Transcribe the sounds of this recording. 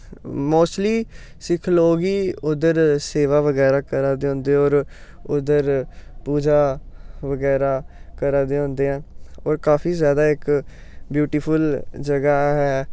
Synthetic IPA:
moːsʈliː | sɪkʰloːɡiːʊd̪əɾseːʋaːʋəɡɛːɾaːkəɾaːd̪eːɦõːnd̪eːɔːɾ | ʊd̪əɾpuːd͡ʒaːʋəɡɛːɾaːkəɾaːd̪eːõːnd̪eːãːɔːɾkaːpʰiːzjaːd̪aːɪk | bjuːʈiːpʰəld͡ʒəɡaːɦɛː

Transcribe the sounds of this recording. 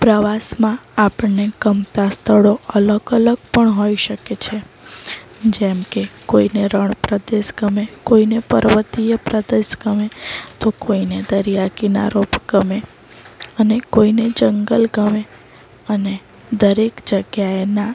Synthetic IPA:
pɾəʋasmãapəɳeɡ̥əmt̪ast̪ʰəɽoələɡələɡpəɳɦoiʃəket͡ʃʰe | d͡ʒɛmkekoineɾəɳpɾəd̪eʃɡəmekoinepə̰ɾʋət̪ijəpɾəd̪esɡəmet̪okoined̪əɾijakina̰ɾopɡ̥əme | ənekoined͡ʒəŋɡəlɡəme | əne | d̪əɾekd͡ʒəɡjaena

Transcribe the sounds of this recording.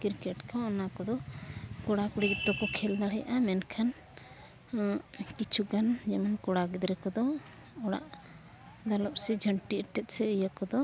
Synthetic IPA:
kiɾkɛʈkʰãɔnakɔd̪ɔkɔɽakuɽikit̪ɔkɔkʰɛld̪aɽɛjaʔamɛnkʰan | kit͡ʃʰuɡand͡ʒɛmankɔɽaɡid̪ɾɛkɔd̪ɔ | ɔɽa̰ʔ | d̪alɔp̚sɛd͡ʒʱəɳʈiəʈɛt̪̚sɛəjəkɔd̪ɔ

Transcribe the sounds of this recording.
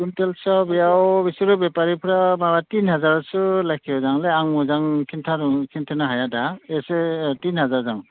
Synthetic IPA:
kuntɛlsabijawbisɔɹubɛpaɹipʰuɹamabatinɦazaɹɔsɯlakʰiɔzaŋlɛaŋuzaŋkʰintʰakʰintʰanaɦajadaɛsɛtinɦazaɹzaŋ

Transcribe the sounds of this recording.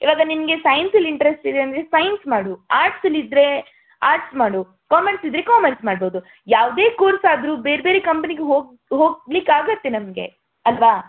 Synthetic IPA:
iːʋaːɡɐnimɐɡe̞sɐjnsɐliɳʈɐɾesʈid̪eɐnd̪ɾe̞sɐjnsmaːɽuaːɾʈsɐlid̪ɾe̞ | aːɾʈsmaːɽu | kaːmɐɾsid̪ɾe̞kaːmɐɾsmaːɖboːd̪u | jaːʋd̪e̞ːkoːɾsaːd̪ɾuːbe̞ːɾbeːɾekɐmpɐniɡeɦoːɡ | ɦoːɡlikaːɡɐt̪ːenɐmɡe̞̰ | ɐlʋaː

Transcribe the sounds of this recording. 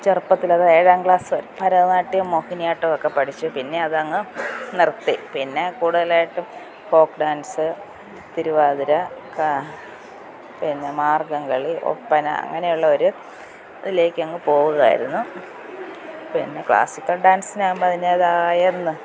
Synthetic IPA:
t͡ɕerpːɐt̪ːilɐðɨeːɻaːŋɡɭaːsʋɐɾpʰɐɾɐnaːʈːijɐmːohinijaːʈːɨokːe̞pɐʈʰit͡ɕːupinːe̞ɐðɐŋːɨnirt̪ːipinːe̞kuːɽuðɐlaːjiʈːɨm | fo̞ːkɖaːnsɨ | t̪iɾuʋaːðiɾɐka | pinːe̞maːrɡɐŋɡɐɭiʔo̞̰pːɐnɐ̰ɐ̰ŋːɐne̞juɭːɐo̞ɾu | ɐðile̞ːkʲːɨɐŋːɨpo̞ːɣuɣa̰ːjḭɾunːu | pinːe̞kɭa̰ːsikʲːɐlɖaːnsinaːmbɐðineɐðaːjɐɾunːɨ

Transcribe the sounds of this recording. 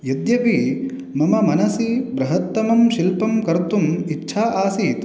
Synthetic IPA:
jɐd̪jɐpi | mɐmɐmɐnɐsibɾɐɦɐt̪ːɐmɐmʃilpɐmkɐɾt̪umitːʃʰaːʔaːsit̪

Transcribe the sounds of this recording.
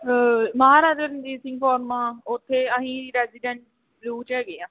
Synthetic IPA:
məɦaːɾaːənd̪iːsɪ̃ŋɡpɔːɾmãːʊt̪ʰːeːəɦĩːɾiːɾɛːziːɖɛ̃ɳʈ | bluːt͡ʃɛːɡɪːãː

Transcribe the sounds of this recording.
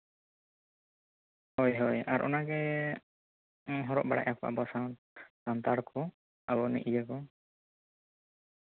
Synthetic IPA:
hɔjɦɔjaɾʔɔ̰naɡɛ | ɦɔɾɔʔbaɽa̰ʔakɔʔa̰bɔsaw | t̪ant̪aɽkʰɔ | abɔnḭʔid͡ʒəkɔ

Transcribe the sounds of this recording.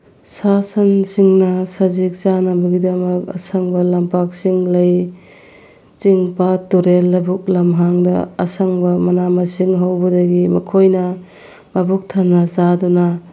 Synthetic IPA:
sasɐnsiŋnɐsazik̚zanɐbɐɡidɐmɐkɐ̰saŋbɐlampak̚siŋlɐj | t͡ʃiŋpatuɾelːɐbuk̚lɐmɦaŋdɐ̰ɐ̰saŋbɐmɐnamɐsiŋɦawbɐdɐɡimɐkʰojnɐ | mabuk̚tʰanːɐzaduna

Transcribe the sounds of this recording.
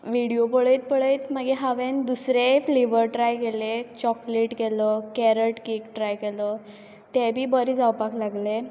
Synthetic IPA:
ʋiɽijopəɭəjt̪̚pəɭəjt̪maɡeɦaʋend̪usɾeliʋəɾʈɾajkelet͡ɕɔkleʈkelɔkɛɾəʈkikʈɾajkelɔ | t̪ɛbʱiːbəɾid͡zawpaklaɡle

